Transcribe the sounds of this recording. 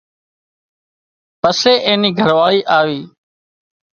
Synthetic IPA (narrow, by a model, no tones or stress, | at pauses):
pəseːʔeːniːɡʱəɾʋaːɭiːʔaːʋiː